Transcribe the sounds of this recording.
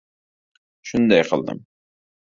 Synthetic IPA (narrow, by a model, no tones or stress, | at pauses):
ʃʊnd̪ɑjqʰəlˠd̪ə̰m